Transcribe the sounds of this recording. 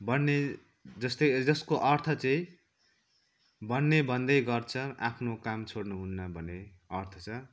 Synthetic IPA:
bʌnːe | d͡zʌst̪od͡zʌskoʔʌrt̪ʰʌt͡sʌĩ | bʱʌnːebʱʌnd̪ʌjɡʌrt͡sʰʌa̰pʰnokamt͡sʰoɽnuɦunːʌbʱʌne | ʌrt̪ʰʌ̥t͡sʰʌ

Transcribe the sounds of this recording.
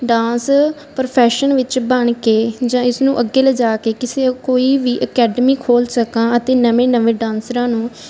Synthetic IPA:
ɖãːns | pəɾpʰɛːʃənʋɪt͡ʃbəɳkeːd͡ʒãːɪsnũːʔəɡːeːləd͡ʒaːkeːkɪseːkoːiːʋiːʔəkɛːɖəmiːkʰoːlsəkãːət̪eːnəʋẽːnəʋẽːɖãːnsɾãːnũː

